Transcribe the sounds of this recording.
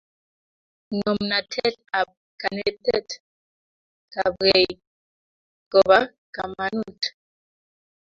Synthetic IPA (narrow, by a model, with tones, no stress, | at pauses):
ŋɔ˨mna˨tʰɛ˦ta˨p̚ | ka˨ne˨tɛ̰˦t | ka˨bɣe˨j | kɔ˨βa˦ | ka˨ma˨nu˦˨t